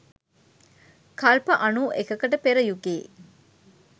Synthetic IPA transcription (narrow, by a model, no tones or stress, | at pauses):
kʰɐlpɐʔɐnuːʔekɐkɐʈəpeɾəjuɡeː